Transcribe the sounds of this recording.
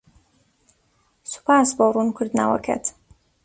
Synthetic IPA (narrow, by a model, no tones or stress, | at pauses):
su̥pʰaːsborˤunkʰʊɾd̪na̰wɐ̰kʰɛ̰t̪